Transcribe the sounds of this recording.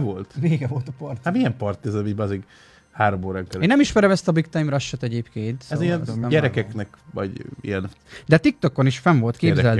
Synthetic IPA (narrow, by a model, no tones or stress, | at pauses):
volt̪veːɡɛvo̞lt̪ɒpɒrt̪amijɛmpɒrt̪ɛzɛmiːɟbɛɒzeːɡ | haːɾomoːɾaɛŋkɛleːnːɛmiʃmɛɾɛmɛst̪ɒbikt̪ɒjimrɒʃːɛt̪ɛɟeːpkeːnt̪sɛijɛnɛmɟɛɾɛkɛknɛkvɒ̰ɟḭjɛn | d̪ɛt̪ik̚t̪o̞kːoniʃfɛɱvo̞lt̪keːbzzɛl